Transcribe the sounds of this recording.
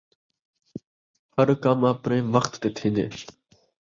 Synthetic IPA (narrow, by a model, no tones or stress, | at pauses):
həɾkaːmãːpɾẽːmʋəxt̪ːeːt̪ʰĩːnd̪ḛː